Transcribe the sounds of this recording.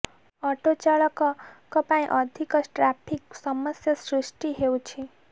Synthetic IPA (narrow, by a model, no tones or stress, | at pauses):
ʌʈot͡saɭʌkkːʌpaĩʔʌd̪ʱikʌʈrapʰiksʌmʌsjʌsrisʈiɦewt͡sʰi